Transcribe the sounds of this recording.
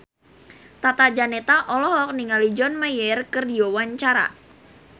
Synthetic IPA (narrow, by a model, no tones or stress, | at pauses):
t̪at̪ad͡ʒanet̪aʔɔlɔɦɔk̚niŋalid͡ʒɔnmajɛrkɨrdiɔwaɲt͡ʃaɾa̰